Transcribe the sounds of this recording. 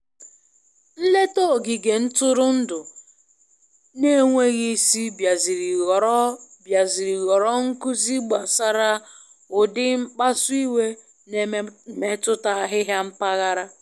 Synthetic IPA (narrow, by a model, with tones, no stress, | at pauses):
n̩˦le˦to˦˨ɡɪ˨ɡe˨n̩˦tʊ˦ɾʊ˦n̩˦dʊ˨ | ne˦ŋʷe˦ɣi˦si˦bja˨zi˨ɾi˨ɣbja˨zi˨ɾi˨ɣɔ˨ɾɔ˦ŋ̩˦kʊ˦zi˦ɡ͡ba˨sa˦ɾa˦ | ʊ˨dɪ˦m̩˦k͡pa˦sʊ˦i˦we˦ | ne˨me˦tʊ˦ta˦a˦ɦɪ˦ɦja˦m̩˦pa˦ɣa˦ɾa˦